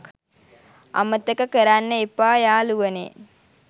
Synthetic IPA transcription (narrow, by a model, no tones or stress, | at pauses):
kʰ | ɐ̰mət̪əkəkəɾanːəepːaːjaːluʋənḛː